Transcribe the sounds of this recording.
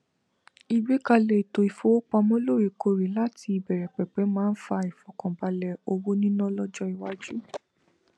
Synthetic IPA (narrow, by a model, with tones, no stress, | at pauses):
i˧ɡ͡bi˦ka˧lɛ˨i˨to˨i˨fo˨˦o˦k͡pa˧mɔ̃˦lo˦˨ɾi˨ko˧ɾi˨la˦tʰi˧i˧bɛ˨ɾɛ˨k͡pɛ˨k͡pɛ˨˦mãː˦n̩˦fa˧i˨fɔ˨kɔ̃˨ba˧lɛ˧o˧wo˦nĩ˦nɔ̃˦lɔ˦d͡ʒɔ˦i˨wa˨˦d͡ʒu˦